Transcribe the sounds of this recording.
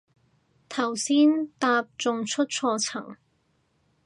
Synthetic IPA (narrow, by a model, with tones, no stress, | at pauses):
t̪ʰɐ˨˩wsiː˥nt̪aː˧p̚t͡sʊ˧ŋt͡ʃʰɵ˥t̚t͡ʃʰɔː˧t͡sʰɐ̰˨˩ŋ